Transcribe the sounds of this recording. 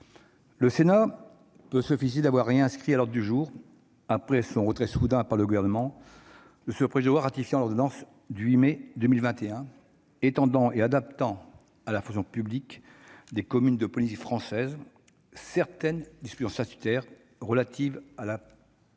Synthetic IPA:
ləsena | pøsyfised̪avwaʁːeɛ̃skχialɔʁd̪ʁəd̪yʒuːʁ | apχɛsɔ̃ʁət̪χɛsud̪ɛ̃paʁləɡuvɛʁnəmɑ̃ | d̪əsəpχeʒd̪waʁːat̪ifjɑ̃lɔʁd̪ɔnɑ̃s | d̪ywimed̪ømilvɛ̃t̪eɛ̃ | et̪ɑ̃d̪ɑ̃ʔead̪ap̚t̪ɑ̃ | alafɔ̃ksjɔ̃pyblik | d̪ekɔmynd̪əpɔlizifχɑ̃sɛz | sɛʁt̪ɛnd̪ispyzɑ̃sat̪y̥t̪ɛʁː | əlat̪ivala

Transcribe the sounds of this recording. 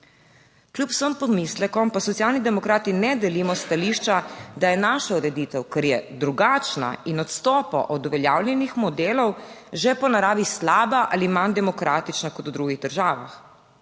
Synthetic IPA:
klʲjupw̥səmpɔmislɛkɔmpasɔt̪sijaːlnid̪ɛmɔkɾaːt̪inɛd̪ɛliːmɔst̪aliʃt͡ʃad̪ajɛnaʃauɾɛd̪it̪ɛwkɛɾjɛd̪ɾuɡaːt͡ʃna̰inɔt̪st̪ɔːpɔ̰ʔɔd̪ɔʋɛljaːwljɛnixmɔd̪eːlɔwʒɛpɔnaɾaːʋislaːbaʔalimand̪ɛmɔkɾat̪it͡ʃnakɔt̪ud̪ɾuɡiɣd̪əɾʒaːʋa̰x

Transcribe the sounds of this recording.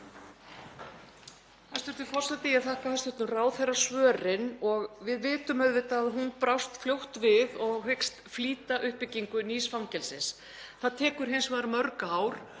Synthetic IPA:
hast̪vʏɾt̪ʏfɔr̥sɛt̪ɪjiaðθahkahɛst̪ʏht̪nʏraːwθejrḁsvœːrɪnɔɣvɪðvɪːt̪ʏmœðvɪt̪aːðɦunpɾawst̪fljowht̪vɪðɔɣɦɪkst̪fliːt̪aʔʏhpɪcːiŋkʏniːsfawŋcɛlsɪns | θaðt̪ʰɛːkʏɾ̥hɪnsvaðɾmœɾkaawɾ̥

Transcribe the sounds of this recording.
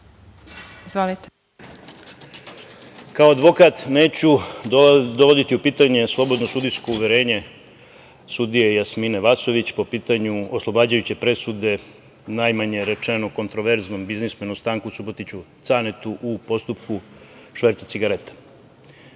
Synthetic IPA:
izʋolit̪e | kaoad̪ʋo̞kat̪ne̞ːt͡ɕu | d̪oʋo̞d̪it̪iupiːt̪aɲe̞slˠo̞bo̞d̪no̞sud̪isko̞uʋe̞ɾeːɲe̞ | sud̪ijejasmineʋaso̞ʋit͡ɕpo̞piːt̪aɲuoslˠobaːd͡ʑajut͡ɕe̞pɾe̞sud̪e̞ | najmaɲe̞ɾe̞t͡ʃeno̞ko̞nt̪ɾoʋeɾzno̞mbiznismenomst̪aːŋkusubot̪it͡ɕut̪sanet̪uʔupo̞st̪upkuʂʋeɾt̪at̪iɡaɾe̞t̪ḁ

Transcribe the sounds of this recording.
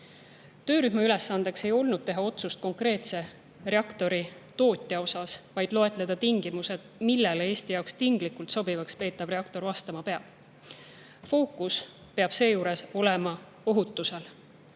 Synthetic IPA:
t̪ø̞ːɾyɦmɑyle̞sːɑnd̪̥e̞kse̞jo̞lnud̥̪̚t̪e̞ɦɑo̞t̪sust̪̚ko̞ŋkre̞ːt̪se̞ | re̞ɑkt̪o̞ɾit̪o̞ːt̪ʲːˑjɑo̞sɑsvɑjd̪̥lo̞e̞t̪ˑle̞d̪̥ɑt̪iŋɡ̥imuse̞d̪̥milːelee̞ːsʲt̪ijɑokst̪iŋɡ̥likːˑult̪so̞bivɑkspe̞ːt̪ːˑɑb̥reɑkt̪o̞ɾvɑst̪ɑmɑpe̞ɑb̥ | fo̞ːkːus | pe̞ɑb̥se̞ːjuːɾe̞so̞lemɑ | o̞ɦut̪ːˑuse̞l

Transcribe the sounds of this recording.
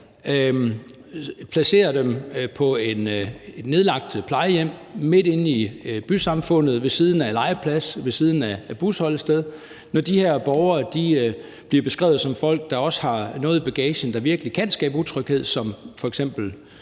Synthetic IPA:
pʰlæse̝̰ːɐd̥empʰɒ̽e̝ned̥ne̝ð̞ˠlɑ̈ɡ̥̚d̥pʰlɑ̈ɪəjem̰me̝d̥e̝nib̥ysɑ̈mfɔ̽n̰ð̩ˠʋe̝siːð̞ˠn̩ælɑ̈ɪpʰlæsʋe̝siːð̞ˠn̩æb̥ushɒ̽l̰sd̥eð̞ˠ | nɒd̥iheɐ̰b̥ɒʊɐːd̥i | b̥liɐb̥e̝sɡ̥ʁɛ̰ːʊð̩ˠsɒ̽mfɒ̽l̰ɡ̥̚d̥ɑ̈ɒ̽sə̥hɑ̈nɔ̽ːð̩ˠb̥æɡ̥ɛːɕən̩d̥ɑ̈ʋiɐɡ̥əlikʰænsɡ̥ɛ̰ːb̥əut͡sʰʁœɡ̥he̝ð̞̰ˠsɒ̽mfɒ̽eɡ̥sem̰b̥l̩

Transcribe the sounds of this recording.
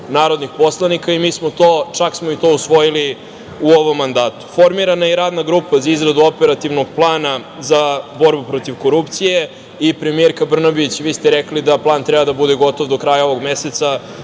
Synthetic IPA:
naːɾo̞d̪nixpo̞slˠanikaimiːsmot̪oːt͡ʃaksmoit̪o̞usʋo̞jili | uoʋo̞mːand̪aːt̪u̥fo̞ɾmiɾanajɛɾaːd̪naɡɾuːpazaizɾad̪uo̞peɾat̪iʋnoɡplˠaːna | zabo̞ɾbupɾo̞t̪iʋko̞ɾupt̪sije̞ | ipɾemijeɾkabr̩nabit͡ɕʋiːst̪eɾɛklid̪aplˠaːnt̪ɾɛbad̪abud̪eɡo̞t̪o̞ʋd̪okɾaːjao̞ʋo̞ɡmeset̪sa

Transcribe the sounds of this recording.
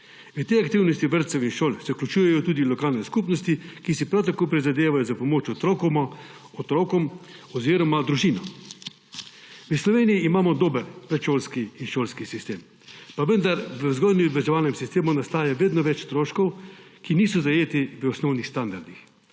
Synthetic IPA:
ʋət̪ejakt̪iwnɔst̪iʋəɾt̪sɛwinʃoːlsɛuklʲut͡ʃuːjɛjɔt̪uːd̪ilɔkaːlnɛskupnɔst̪ikisipɾawt̪akoːpɾizad̪eːʋajɔzapɔmoːt͡ʃɔt̪ɾɔkɔm | ɔt̪ɾoːkɔm | ɔziːɾɔmad̪ɾuʒiːnɔ | ʋəslɔʋeːnijiːmaːmɔd̪oːbəɾpɾɛt̪ʃoːlskiːnʃoːlskisist̪eːm | paʋənd̪aɾʋəzɡɔjnib̪ʋɛʒɛʋaːlnɛmsist̪eːmunast̪aːjaʋeːd̪nɔʋɛt͡ʃst̪ɾoːʃkɔwkiniːsɔzajeːt̪iʋəɔsnɔwnixst̪and̪aɾd̪ix

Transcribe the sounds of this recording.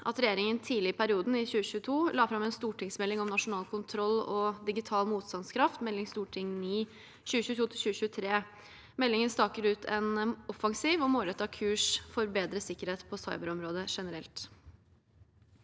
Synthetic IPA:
ʔɑ̰t̪ɾɛjeːɾɪŋənt̪ʰiːlɪpʰæɾɪuːd̪n̩ɪɕʉːəɕʉːət̪ʰuːlɑːfɾɑmɛnst̪uːʈɪŋsmɛlːɪŋɔmnɑʂʊnɑːlkʰʊnt̪ʰɾɔlːɔd̪ɪɡɪt̪ʰɑːlmuːt̪st̪ɑnskʰɾɑft̪mɛlːɪŋst̪uːʈʰɪŋniː | ɕʉːəɕʉːət̪uːt̪ʰɪɕʉːəɕʉːət̪ʰɾeː | mɛlːɪŋənst̪ɑːkəɾʉːt̪ʰɛnɔfɑŋsiːʋɔmoːɾɛt̪ːɑkʰʉːʂfɔɾbeːd̪ɾəsɪkːəɾheːt̪pʰɔsɑɪbəɾɔmɾoːd̪əʂɛnəɾɛlt̪

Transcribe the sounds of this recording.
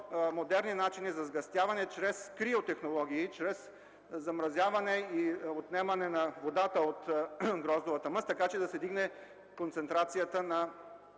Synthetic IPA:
mod̪ɛɾninat͡ʃinizɐzɡɐst̪ʲjavɐnɛt͡ʃɾɛskɾiot̪ɛxnolˠɔɡ̟ʲiːt͡ʃɾɛs | zɐmɾɐzʲjavɐnɛiot̪nɛmɐnɛnɐvod̪at̪əot̪ɡɾɔzovɐt̪əməst̪ːɐkat͡ʃɛd̪ɐsɛd̪iɡnɛ | kont̪sɛnt̪ɾat̪sijət̪ənɐ

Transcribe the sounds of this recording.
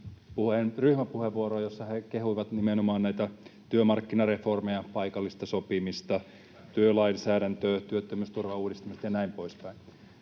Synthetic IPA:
puhenryhmæpuheʋʋuoroːjosːɑhekehuiʋɑt̪nimenomɑːnnæit̪æt̪yømɑrkːinɑreformejɑpɑikɑlːist̪ɑsopimist̪ɑ | t̪yølɑinsæːɾænt̪øːt̪yøt̪ːømyst̪urʋɑuːdist̪ɑmise̥t̪jɑnæimpoispæin

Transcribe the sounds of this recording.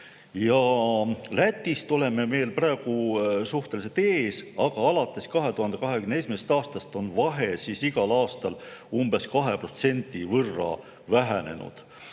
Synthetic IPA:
jɑ | læt̪ʲːˑist̪o̞le̞me̞me̞ːlpræːɡ̥usuht̪e̞lise̞t̪e̞ːsɑɡ̥ɑɑlɑt̪ːˑe̞skɑɦe̞t̪uhɑnd̪e̞kɑɦe̞kymnesmesest̪ɑːst̪ɑst̪o̞nvɑɦe̞sisiɡɑlɑːst̪ɑlumb̥e̞skɑɦe̞pro̞t̪se̞nʲt̪ivɤrːɑ̰ | væɦæne̞̰nṵd̪̥

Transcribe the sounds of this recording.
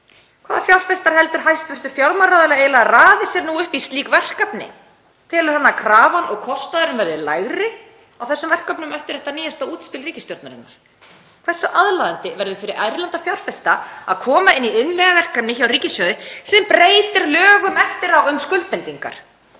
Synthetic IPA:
kʰv̥aːðafjawlfɛst̪aɾ̥hɛl̪t̪ʏɾ̥ɦajst̪vʏr̥t̪ʏɾ̥fjawɾmaɾaðɛlaeːjlaɣaraːðɪsjɛɾnuːʏhpist̪liːkvɛr̥kapnɪ̰ | t̪ʰɪlɪ̥hanːakʰɾaːvanɔɣkʰɔst̪aðɪɾɪnvɛɾðʏlaɣɾɪ | awθɛsːʏmvɛr̥kapnʏmœft̪ʏɾɛht̪aniːjast̪auːt̪spɪlriːcɪst̪jɔɾt̪naɾɪ̰nːaɾ̥ | kʰv̥ɛ̥saʔaðlaðant̪ɪvɛɾðʏfɪɾɪɾajɾlant̪afjawr̥fɛst̪aa̰ðkʰɔːmaɪnːiʏnmɛɣavɛr̥kapnɪçawriːcɪsjœːðɪsiːðɪnpɾeːjt̪ɪɾlœːɣʏmɛft̪ɪɾawʏmskʏlt̪ɛnt̪iŋka̰ɾ̥

